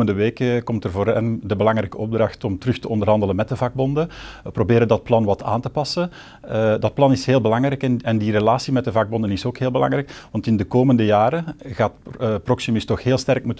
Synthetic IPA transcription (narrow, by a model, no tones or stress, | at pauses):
əndəʋeːkəkɔmtərvoːɾœndəbəlɑŋrɛjkəʔɔb̚drɑxtɔmtəɾɵxtəɔndərɦɑndələnmɛt̚dəvɑɡ̚bɔndəəprobeːɾəndɑt̚plɑnʋɑtʰa̰ːntəpɑsə | dɑt̚plɑnɪsɦeːlˠbəlɑŋɾɛjkɛnɛndirelaːsimɛt̚dəvɑɡ̚bɔndənɪsoːkɦeːlˠbəlɑ̰ŋrɛjkʋɑntɪndəkoːməndəjaːɾəɣaːtproksymɪstɔxɦeːlˠstɛrkmut